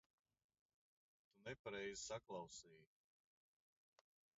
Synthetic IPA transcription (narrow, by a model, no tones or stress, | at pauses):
t̪unɛpaɾɛjzsaklˠɑwsiːj